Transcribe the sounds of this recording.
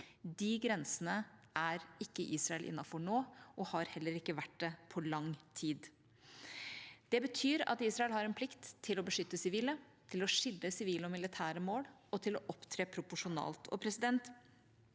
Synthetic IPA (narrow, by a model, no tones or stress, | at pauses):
d̪ɪɡɾɛnsənəʔæɾɪkːəʔiːsɾɑɛlʔɪ̰nːɑfɔɳoːʔɔhɑɾhɛlːəɾɪkːəʋæʈ̚d̪ɛpʰɔlɑŋt̪ʰiːd̪ | d̪̥ɛbət̪ʰyːɾɑ̰t̪iːsɾɑɛlhɑɾɛnpʰlɪkt̪ʰːɪlɔbəʂʏt̪ːəsɪʋiːlət̪ʰɪlɔʂɪld̪əsɪʋiːləɔmɪlɪt̪ʰæːɾəmoːɽɔt̪ʰɪlɔʔɔpt̪ʰɾeːpʰɾʊpʊʂʊnɑ̰ːlt̪ʰɔ̰pʰɾɛsɪd̪ɛnt̪